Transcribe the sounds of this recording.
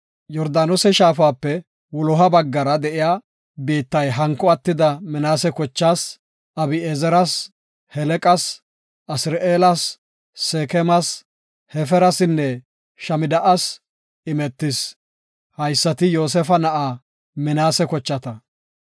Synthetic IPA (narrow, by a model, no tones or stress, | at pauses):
jɔɾd̪aːnɔsɛʃaːfaːpːɛ | wɔlɔɦɐbɐɡːɐɾɐd̪ɛʔɪjaː | biːt̪ːɐjɦɐŋkːɔɐt̪ːɪd̪ɐmɪnaːsɛkɔt͡ʃːaːs | ɐbɪeːzɛɾɐs | hɛlɛkʼɐs | ʔɐsɪɾʔeːlɐsː | eːkɛmɐs | hɛfɛɾɐsɪnːɛ | ʃɐmɪd̪ɐʔɐs | ɪmɛt̪ːɪs | hɐjsːɐt̪ɪjo̞ːs̬ɛfɐnɐʔaː | mɪnaːsɛkɔt͡ʃːɐt̪ɐ